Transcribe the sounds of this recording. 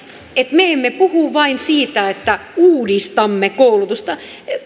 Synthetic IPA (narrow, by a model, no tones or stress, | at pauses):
et̪meːmːepuhuʋɑinsiːt̪æet̪ːæuːdist̪ɑmːekoulut̪ust̪ɑ